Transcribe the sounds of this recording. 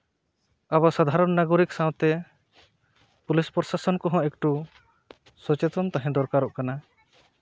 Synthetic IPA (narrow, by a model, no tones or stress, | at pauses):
aβasad̪ʱaɾɔnːaɡɔɾiksãw̃t̪ɛ | pulispɔɾsasɔnkɔɦɔ̃ekʈu | sɔt͡ʃet̪ɔnt̪aɦɛ̃d̪ɔɾkaɾɔʔkana